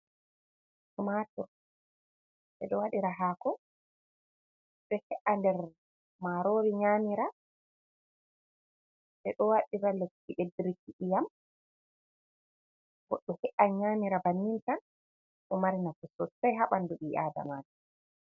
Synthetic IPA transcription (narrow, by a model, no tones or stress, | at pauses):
sumatɔɾ | ɓɛ̰ɗɔwaɗiɾaɦakɔ | ɗɔhɛʔandɛɾ | maɾoːɾiɲaːmiɾa | ɓɛɗɔwaɗiɾalekːiʔedɾikːiʔijam | ɡɔɗːɔhɛʔaɲaːmiɾabanːintan | ɗɔmaɾinafusɔtsajɦaɓanːduɗiːʔa̰ːda̰maːd͡ʒɔ